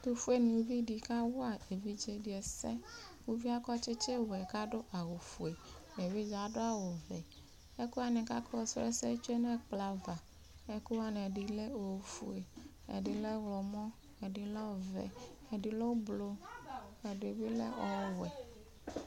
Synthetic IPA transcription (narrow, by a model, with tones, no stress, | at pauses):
t̪u˦fu˦e˦nũ˨u˦vi˦di˨ka˦wo˦a˨e˨vi˦d͡ʒe˦di˨ɛ˨sɛ̰˦wu˦vi˦a˦kɔ˦t͡ʃɪ˦t͡ʃe˦wɛ˨ka˦ɖo˦ʔa˨wo˨fu˨e˨e˨vi˦d͡ʒa˨ɖo˦a˦wo˨vɛ˨ | e˦ku˦a˦nɛ˨ka˦kɔ˦wɔ˨sɔ˦ɛ̰˦sɛ˦t͡ʃu˦e˦nɛ̃˦k͡pla˨va˨ | e˦ku˦wa˦nɛ˨ɖi˦le˦o˨fṵ˨e˨ | ḛ˨ɖi˨lɛ˦wlɔ˨mɔ̃˦ | e˨di˨lɔ˦˨vɛ̰˨ | e˨di˨lo˦blo˦e˨do˨vi˦lḛ˦ɔ˨˦wɛ˨